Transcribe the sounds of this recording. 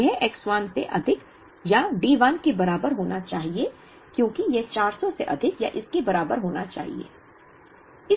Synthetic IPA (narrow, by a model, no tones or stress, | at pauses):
ɛɦɛːkswaːnseʔɐd̪ʱɪk | jaɖiːʋaːnkebɐɾaːbəɾɦoːnat͡ʃaːɦie | kjõːkijɛɦt͡ʃaːɾsɔseʔɐd̪ʱɪkjaʔɪskebɐɾaːbəɾɦoːnat͡ʃa̰ːɦḭḛː | ɪ